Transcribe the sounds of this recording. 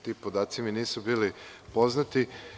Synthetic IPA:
t̪iːpod̪aːt̪siminiːsubiːlipo̞znat̪i

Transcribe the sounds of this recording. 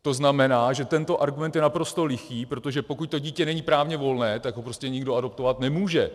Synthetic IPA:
t̪o̞znamɛnaːʒɛt̪ɛnt̪o̞ʔaɾɡumɛnt̪jɛnapɾo̞st̪o̞lɪxiːpɾo̞t̪oʒɛpo̞kuc̚t̪o̞ɟiːcɛnɛɲipɾaːvɲɛvo̞lnɛːt̪aɡɦopɾo̞scɛɲɪɡdoadop̚t̪o̞vat̪nɛmuːʒɛ

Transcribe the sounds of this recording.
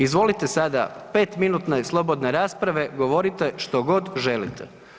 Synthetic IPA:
izʋo̞lit̪e̞sad̪a̰pe̞ːt̪minuːt̪neslˠo̞bo̞d̪neɾaːspɾaʋe̞ɡo̞ʋoɾit̪e̞ʃt̪o̞ɡo̞d̪ʒelḭt̪e

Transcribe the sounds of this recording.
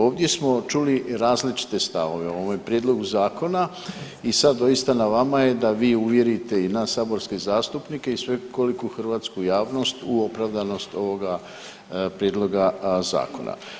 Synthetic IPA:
o̞ːʋd̪ʲje̞smo̞t͡ʃuliɾaːzlit͡ʃi̥t̪e̞st̪aʋo̞ʋe̞oʋomepɾjeːd̪lo̞ɡuzaːko̞na | isad̪d̪o̞jist̪anaʋamaje̞d̪aʋiːuʋje̞ɾit̪e̞inaːsːaːbo̞ɾske̞zaːst̪upnike̞isʋe̞ko̞likuxr̩ʋaːt̪skujaːʋno̞st̪uo̞pɾaʋd̪ano̞st̪o̞ʋoɡa | pɾjed̪lˠo̞ɡaza̰ːko̞̰na̰

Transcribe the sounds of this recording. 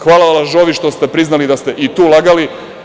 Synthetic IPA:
xʋaːlalaʒoʋiʃt̪o̞st̪epɾiznalid̪ast̪e̞ʔit̪uːlaɡali

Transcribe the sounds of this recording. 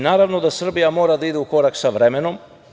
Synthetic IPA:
naːɾaʋnod̪asr̩bijamo̞ːɾad̪aid̪euko̞ɾaksaʋɾemeno̞m

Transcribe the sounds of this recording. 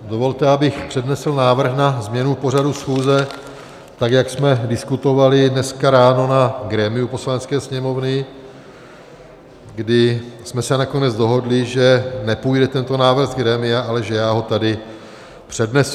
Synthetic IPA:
do̞vo̞lt̪ɛabɪxpr̥ɛdnɛsl̩naːvr̩xnazmɲɛnupo̞r̝adusxuːzɛ | t̪akjaksmɛdɪskut̪o̞valɪdnɛskaɾaːno̞naɡɾɛːmɪjupo̞slanɛt͡skɛːsɲɛmo̞vnɪ | ɡdɪsmɛsɛnako̞nɛd͡zdo̞ɦo̞dlɪʒɛnɛpujdɛt̪ɛnt̪o̞naːvr̩ɣɡɾɛːmɪaʔalɛʒɛjaːɦo̞t̪adɪ | pr̝̥ɛdnɛs

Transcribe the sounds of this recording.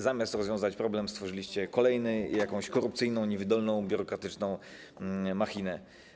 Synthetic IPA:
zamʲjast̪ɾɔzvʲjɔ̃w̃zat͡ɕpɾɔblɛmst̪fɔʐɘlʲiɕt͡ɕɛkɔlɛjnɘjakɔ̃w̃ɕkɔɾupt̪sɘjnɔ̃w̃ɲɛvʲid̪ɔlnɔ̃w̃bʲjuɾɔkɾat̪ɘt͡ʂnɔ̃w̃ | maxʲinɛ

